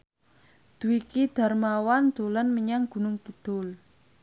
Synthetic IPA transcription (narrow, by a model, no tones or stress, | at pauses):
d̪̥ṳwikid̪̥a̤rmawand̪̥o̤lənməɲaŋɡ̥ṳnʊŋɡ̥id̪̥ʊl